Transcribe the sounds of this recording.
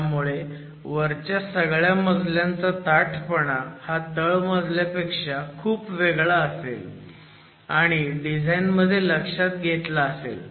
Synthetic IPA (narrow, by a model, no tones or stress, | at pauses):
t̪amuɭe | ʋəɾt͡ɕasəɡɭjaməd͡zʱljãnt͡sat̪aʈʰpəɽahat̪əɭməd͡zʱlapekʂakʰuːpʋeɡɭaːsḛl | aɽ̃iɖid͡zʱajnməd̪ʱːjeləkʂat̪ɡʱet̪laːsḛl